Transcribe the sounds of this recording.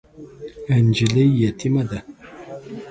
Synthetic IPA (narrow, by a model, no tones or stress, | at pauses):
and͡ʒilejjatimada